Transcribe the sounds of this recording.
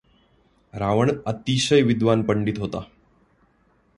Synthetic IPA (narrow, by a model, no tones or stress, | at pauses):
ɾaʋəɳət̪iɕəjʋid̪ʋanpəɳɖit̪ɦot̪a